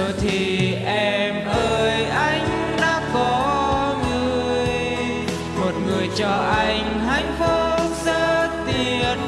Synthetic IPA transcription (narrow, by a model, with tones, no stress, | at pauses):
t̪ʰi˨˩ʔɛ˧mʔəː˧jʔa˧jŋ̟ | ɗaː˧˥kɔ˨˦ŋɨ˧˨əj | mo˨˩t̚ŋɨ˨˩əjt͡ɕɔ˧˩ʔa˧jŋ̟ha˨˧˩jŋ̟fo˧˦səː˧˥t̪i˧˩ən